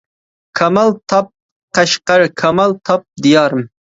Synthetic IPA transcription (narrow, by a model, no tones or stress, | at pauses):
kʰɑmɑlˠt̪ʰɑp̚ | qʰɑʃqɑɾkʰɑmɑlˠt̪ʰɑp̚d̪ijɑːɾɨm